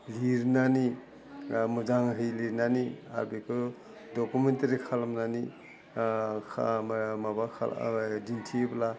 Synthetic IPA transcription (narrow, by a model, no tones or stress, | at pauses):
liɾnani | muzaŋɦɯjliɾnania̰ɾbikʰɯ | dokumentɐɾikʰalamnani | kʰamabakʰa̰dintʰibla